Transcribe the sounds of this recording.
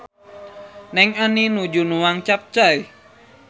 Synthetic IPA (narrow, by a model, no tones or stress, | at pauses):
nɛŋaninud͡ʒunuwaŋt͡ʃap̚t͡ʃaj